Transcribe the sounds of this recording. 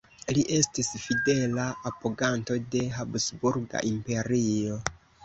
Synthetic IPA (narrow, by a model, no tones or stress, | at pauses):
liʔe̞stisfide̞laːpoɡanto̞de̞ɦabsbuɾɡa̰ʔimpe̞ɾio̞